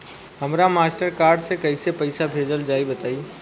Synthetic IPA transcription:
ɦəmɾamaːsʈəɾkaːɾɖsẽkəɪsepəɪsabʱed͡ʒəld͡ʒaːibət̪aːiː

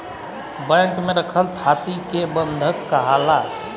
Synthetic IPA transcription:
bəŋkmeɾəkʰəlt̪ʰat̪ikebənd̪ʱəkːəɦala

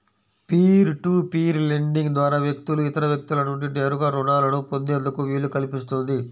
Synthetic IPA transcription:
piːɾʈuːpiːɾleɳɖiŋɡd̪ʋaːɾaːʋjɐk̚t̪uluit̪ɐɾɐʋjɐk̚t̪ulɐnuɳʈineːɾuɡaːɾuːɖaːlɐnupond̪eːnd̪ukuʋiːɭːukɐlipist̪und̪i

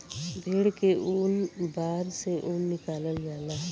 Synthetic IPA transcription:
bʱeːɽkeʊnbaːɾseʔʊnːɪkaːləld͡ʒaːlaːɦ

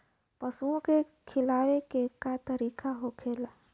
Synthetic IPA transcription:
pɐsuõkekʰɪlaːwekekat̪əɾiːkaɦokʰeːlaː

